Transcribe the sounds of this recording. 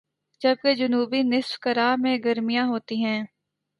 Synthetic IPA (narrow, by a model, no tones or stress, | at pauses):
d͡ʒɐb̚ked͡ʒʊnuːbinɪsbkəɾaːmẽɡəɾmijãɦoːt̪iɦɛ̃ː